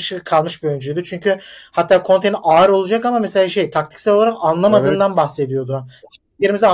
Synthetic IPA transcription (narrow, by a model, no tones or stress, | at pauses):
ʃɯkʰalˠmɯʃbiøynd͡ʒyjd̪yt͡ʃʰyɲcʰyhat̪ʰːaːkʰo̞nt̪ʰejniʔaːɾo̞lˠud͡ʒakamameselʲaːʃe̞jt̪ʰak̚t̪ʰi̥csɛlʲolˠaɾakanlˠamaɯːnd̪anbaxse̞d̪ijo̞d̪ʊ | eɾimizi